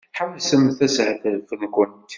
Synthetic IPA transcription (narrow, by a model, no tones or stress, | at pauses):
ħawlsəmθæsʕθəðfənkʊnt̪